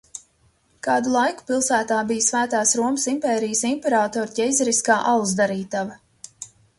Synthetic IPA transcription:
kɑːd̪ulˠajku̥pilˠsæːt̪aːbijsvæːt̪aːsɾuɔməsimpɛːɾijəsimpɛɾaːt̪ɔːɾcʲɛjzɛɾiskaːʔalˠzd̪aɾiːt̪ava

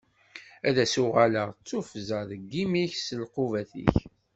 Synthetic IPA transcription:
æðæsʊʁaləʁt͡sːufzəðəɡːimiçsəlquvæθḭç

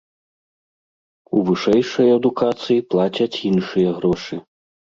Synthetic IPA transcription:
uvɨʂɛjʂɐjɐd̪ukat̪sɨjiplˠat͡sʲɐt͡sʲinʂɨjɐɣɾɔʂɨ

